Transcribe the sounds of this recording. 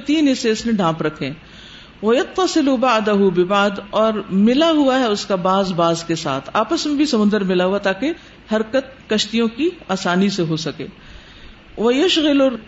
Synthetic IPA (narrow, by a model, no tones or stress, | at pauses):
t̪iːnɪseʊsnẽɖʱãːpɾɐkʰːẽ | ʋɐjɐt̪ːɐsɪlʊbaʕd̪ɐɦʊbɪbad̪ɔːɾmɪlaɦʊaɦɛʊskabaːzbaːzkesa̰ːt̪ʰaːpəsmẽbʱisɐmʊ̃nd̪əɾmɪlaɦuat̪aːke | hɐɾkət̪̚kɐʃt̪ijõkiaːsaːniseɦosɐkḛː | ʋɐjɐʃɣɪlʊ